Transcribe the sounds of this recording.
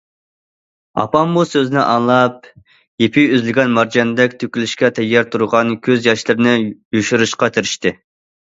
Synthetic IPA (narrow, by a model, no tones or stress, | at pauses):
ɑ̰pʰɑmːusøzɪnɪʔɑŋlˠɑp̚ | jepʰiyzlɪɡʲɛnmɑɾd͡ʒɑnd̪ɛkʲt̪ʰøkʲylyʃkʲɛt̪ʰɛɡːɑɾt̪ʰuɾʊʁɑnkʲʰøzjɑʃlˠɨɾɪnɪjuʃuɾuʃqɑt̪ʰɪɾɪʃt̪ɪ